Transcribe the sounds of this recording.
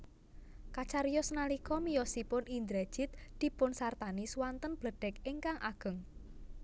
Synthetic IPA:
kat͡ʃaɾijɔsnalikɔmijɔsipʊnind̪ɾɛd̥ʒ̥ɪt̪̚d̪̥i̤pʊnsart̪aniswant̪ənb̥ləɖ̥ɛkɪŋkaŋʔaɡ̥ə̤ŋ

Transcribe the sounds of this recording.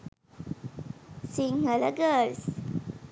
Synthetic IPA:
siŋhələɡəs

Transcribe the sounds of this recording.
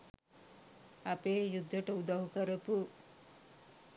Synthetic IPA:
ɐpeːjud̪ʱːɐʈɐud̪ɐɦukəɾɐpu

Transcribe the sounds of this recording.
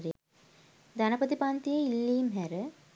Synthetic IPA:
ɾe | d̪anɐpət̪ipaːnt̪ijeilːiːmɦæɾə

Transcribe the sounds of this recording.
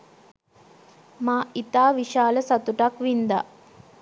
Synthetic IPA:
maːit̪aːʋiʃaːləsat̪uʈakʋind̪a̰

